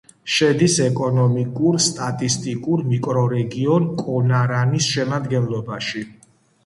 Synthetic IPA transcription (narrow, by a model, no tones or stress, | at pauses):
ʃɛd̪isɛkʼɔnɔmikʼuɾst̪ʼat̪ʼist̪ʼikʼuɾmikʼɾɔɾɛɡiɔnkʼɔnaɾanisʃɛmad̪ɡɛnlɔbaʃi